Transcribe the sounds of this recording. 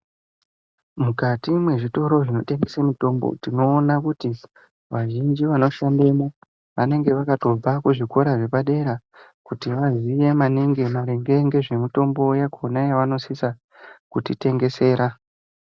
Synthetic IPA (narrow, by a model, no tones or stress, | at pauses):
mukatimwe̞ʐito̞ɾo̞ʐino̞te̞ŋɡesemito̞mbo̰tino̞ːnakuti | ʋaʒind͡ʒiʋano̞ʃandemo | ʋane̞ŋɡe̞ʋakato̞b͡vakuʐiko̞ɾaʐe̞paɗe̞ɾa | kutiʋazije̞maneŋɡe̞maɾe̞ŋɡe̞ŋɡe̞ʐe̞mito̞mbo̞jakʰo̞najaʋano̞sisa | kutite̞ŋɡe̞se̞ːɾa